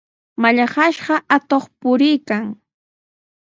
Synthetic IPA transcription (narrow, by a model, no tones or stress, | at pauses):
maʎaɢɑʃɢɑʔat̪oχpʊɾɪjkaŋ